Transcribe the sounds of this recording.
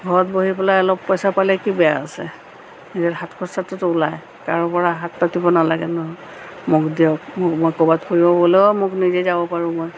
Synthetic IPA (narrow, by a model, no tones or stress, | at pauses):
ɡʱɔɹɔt̚boɦipɛlaɛlɔpːɔjsapalɛkibɛja̰a̰sɛ̰ | izatɦatkʰɔsatʊtʊːlaj | ka̰ɹɔpɔɹaɦat̚patibɔnalaɡɛnɔɦɔj | mʊkdiɔkmʊkmɔjkɔbadxʰoɹibɔbɔleɔmʊknizɛzabɔpaɹʊ̃mɔj